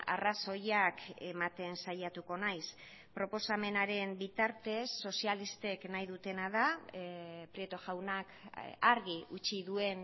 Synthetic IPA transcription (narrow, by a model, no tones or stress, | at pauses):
a̰raso̞jake̞mat̪e̞nsaʎat̪uko̞najs | pɾo̞po̞same̞naɾe̞mbit̪aɾt̪e̞sːo̞sialist̪e̞knajðut̪e̞nað̞a | pɾiet̪o̞ʝawnakaɾɣiut͡ʃiðue̞n